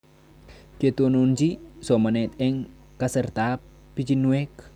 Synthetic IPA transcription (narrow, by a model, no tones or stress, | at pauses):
ket̪onond͡ʒisɔmanɛt̪eŋ | kasərt̪a | pit͡ʃinuwɛk